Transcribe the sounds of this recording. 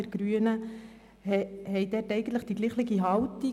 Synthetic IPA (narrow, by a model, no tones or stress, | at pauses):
ɛɾɡ̥ɾyənə | hhɛɪdɛtɛɪɡən̩t̪ləχd̥iɡliːχlɪɡiɦɑwti